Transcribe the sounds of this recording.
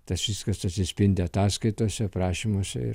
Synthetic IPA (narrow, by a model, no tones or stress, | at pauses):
t̪ɐsʋʲɪskɐsɐt̪ʲsʲɪsʲpʲɪnʲd̪ʲɪɐt̪ɑːskɐɪt̪oːsʲɛpɾɑːʃʲimoːsʲɛ̰ɪ̰ɾ